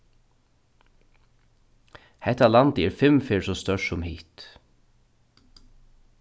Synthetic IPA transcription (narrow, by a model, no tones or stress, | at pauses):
hɛht̪alant̪ɪɛɹfɪmfɪːɹsɔst̪œʂsʊmhiːt̪